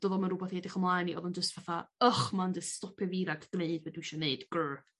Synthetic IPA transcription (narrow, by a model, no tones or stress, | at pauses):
d̥ɔðɔmaɾʊbɔθedɪχəmlˠajniʔɔðʊnd͡ʒəstv̥aθaəχmandɪstɔpʰɛviːɾaɡʰd̥neɨdwɛdwiʃɔneɨd̥ɡ̥əː